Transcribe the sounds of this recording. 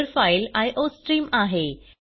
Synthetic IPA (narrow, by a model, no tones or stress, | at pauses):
ɾfajlajʔosʈɾiːmaɦe